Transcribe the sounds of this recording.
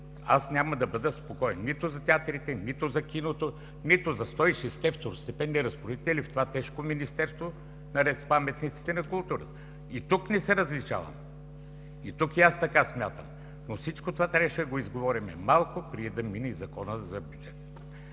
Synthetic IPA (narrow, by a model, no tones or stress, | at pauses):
a̰snʲaməd̪ɐbəd̪əspokɔɛnnit̪ʊzɐt̪ʲɛat̪ɾit̪ɛnit̪ʊzɐkʲinot̪o | nit̪ʊzɐst̪ɔiʃɛst̪ɛft̪oɾst̪ɛpɛnːɛɾɐspɾod̪it̪ɛilift̪ovat̪ɛʃkominist̪ɛɾst̪vo | nɐɾɛt̪spamɛt̪nit̪si̥t̪ɛnɐkʊlˠt̪uɾət̪ə | it̪uknɛsɛɾɐzlit͡ʃa̰vɐ̰m | it̪ukiast̪ɐkasmʲjat̪əm | nosit͡ʃkot̪ovat̪ɾʲabəʃɛd̪ɐɡoizɡovɔɾimɛ̰malˠkopɾiɛd̪ɐminɛizɐkɔnəzɐbjud͡ʒɛt̪